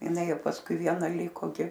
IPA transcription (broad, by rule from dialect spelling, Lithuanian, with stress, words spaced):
ɪˈnɐɪ ˈjɛʊ pɐsˈkʊɪ ˈʋʲiɛnɐ ˈlʲiːkoː ˈɡʲɪ